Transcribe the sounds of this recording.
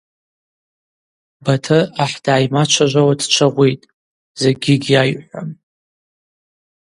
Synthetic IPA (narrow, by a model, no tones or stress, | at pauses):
batʰɨaħd̥aːjmat͡ʃʷʰaʒʷawadt͡ʃʷʰaʁʷejtʼ | z̥eɡʲɪɡʲajħʷam